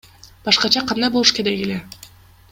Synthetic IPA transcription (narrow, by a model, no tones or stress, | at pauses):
b̥ɑʃqɑt͡ʃɑqʰɑnd̪ɑjbolˠuʃked̪eɡile